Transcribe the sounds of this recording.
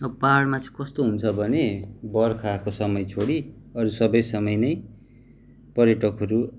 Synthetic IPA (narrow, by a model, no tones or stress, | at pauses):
ʌpaɽmat͡sʌ̃kʌst̪oɦunt͡sʰʌbʱʌnebʌrkʰakosʌmʌjt͡sʰoɽiʌɾusʌbʌjsʌmʌjnʌj | pʌrjʌʈʌkɦʌɾu